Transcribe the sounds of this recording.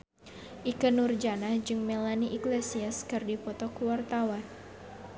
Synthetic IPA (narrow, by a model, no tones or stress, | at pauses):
ʔikənurd͡ʒanahd͡ʒɨŋmɛlaniʔiklesiaskɨrdipɔt̪ɔkuwart̪awan